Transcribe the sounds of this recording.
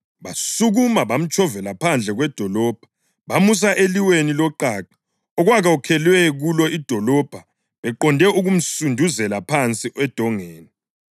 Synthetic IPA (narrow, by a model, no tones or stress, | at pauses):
βasuɣumaβam̩t͡ʃʰʼɔvɛlapʰand͡ɮʱɛɣwɛd̥ʱɔlɔːb̥ʱa | βamus̬aʔeliwenilɔǃaːǁḁ | ɔɣwaɣaukʰɛlwɛɣulɔʔid̥ʱɔlɔb̥ʱa | βɛǃɔndʱɛʔuɣum̩sundʱuzɛlapʰant͡sʼiʔwɛd̥ʱɔŋeːni